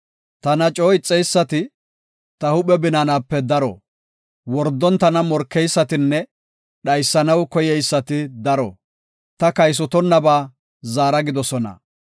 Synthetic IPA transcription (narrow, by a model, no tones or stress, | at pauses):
t̪ɐnɐt͡ʃʼoːɪt͡sʼːɛjsːɐt̪ɪ | t̪ɐhʊɓɛbɪnanaːpːɛd̪ɐɾɔ̰ | wɔɾd̪ːɔnt̪ɐnɐmɔɾkːɛjsːɐt̪ɪnːɛ | ɗɐjsːɐnɐwkɔjɛjsːɐt̪ɪd̪ɐɾɔ | t̪ɐkɐjs̬ɔt̪ɔnːɐbaː | zaːɾɐɡɪd̪ɔsɔnɐ̰